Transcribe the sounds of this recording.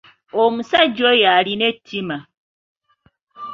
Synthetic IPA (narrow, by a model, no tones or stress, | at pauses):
omusad͡ʒojaɾinetʰima